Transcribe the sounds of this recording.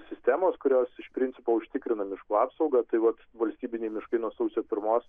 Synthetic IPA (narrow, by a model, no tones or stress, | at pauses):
sʲɪsʲt̪ʲæːmoːskʊɾʲoːsɪʃpʲɾʲɪnʲt͡s̪sʲɪpoːʊʃʲt̪ʲɪːkɾʲɪnɐmʲɪʃkuːɑːpsɒʊɡɐt̪ɐɪʋɐt̪ʋɐlʲsʲt̪ʲiːbʲɪnʲɛɪmʲɪʃkɐɪnuɔsɐʊsʲoːpʲɪɾmoːs